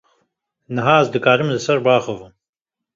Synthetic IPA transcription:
nɨɦaːɐzd̪ɨkaːɾɨmzɨsɐɾbaːxɔvɨm

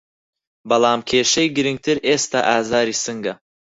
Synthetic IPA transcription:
bɐlˠaːmkʰʲeʃejɡiɾiŋt̪ʰiɾest̪aʔaːzaɾisɨŋɡa

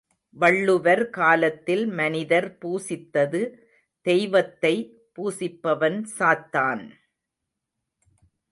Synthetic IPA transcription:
ʋɐɭːɯʋɐɾkaːlɐt̪ːɪlmɐnɪðɐɾpuːsɪt̪ːɐðɯ | d̪̥ɛjʋɐt̪ːɐɪ | puːsɪpːɐʋɐnsaːt̪ːaːn

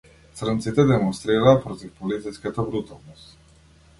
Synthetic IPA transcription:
t̪sɾənt̪sit̪ɛd̪ɛmonst̪ɾiɾaːpɾot̪ifpolit̪iskʲat̪əbɾut̪alˠnost̪

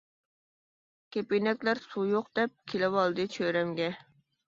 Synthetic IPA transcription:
kʲʰepenɛkʲlæɾsujoqd̪ɛp̚kʲʰelɪwɑlˠd̪ɨt͡ʃʰøɾɛmɡʲɛ

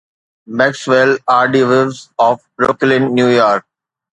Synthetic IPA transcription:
mɛksʋelaːɾɖiʋɪʋzɔːfbɾoklɪ̃nːjuːjɔːɾk̚

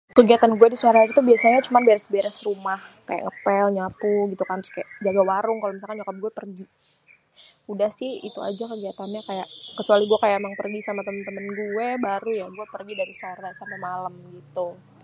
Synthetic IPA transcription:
kəɡiat̪anɡuɛdisuaɾait̪ubiasaɲat͡ʃumanbeɾɛsbeɾɛsɾumahka̰ja̰ʔŋəpɛlɲapuɡit̪ukanʊskaja̰ʔd͡ʒaɡawaɾʊŋkalomisalkanɲt͡ʃokɔp̚ɡuɛpərɡi | udahsɪhḭt̪ua̰d͡ʒakəɡiat̪anɲakaja̰ʔkət͡ʃualiɡuɛkajaʔmaŋpərɡisamat̪əmənt̪əmənɡuɛbaɾujaɡuɛpərɡidaɾisuaɾasamamaləmɡit̪u

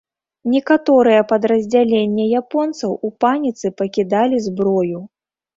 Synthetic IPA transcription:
nʲɛkat̪ɔɾɨjɛpɐd̪ɾɐzʲd͡zʲalʲenʲːɛjapɔnt̪sɐwupanʲit̪sɨpɐkʲid̪alʲizbɾɔju

